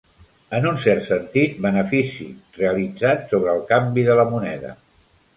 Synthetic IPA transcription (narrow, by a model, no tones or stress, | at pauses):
ənunsɛrt̪sənt̪it̪̚bənəfisḭreəlid͡zat̪soβɾəːlˠkambiðələmunɛðə̰